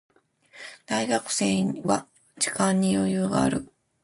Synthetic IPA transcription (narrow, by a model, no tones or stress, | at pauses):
d̪̥aiɡakɯ̟̥seːβa | d͡ʑi̥kãɲ̟ːijo̞jɯːɡa̰ːɾɯ̟̰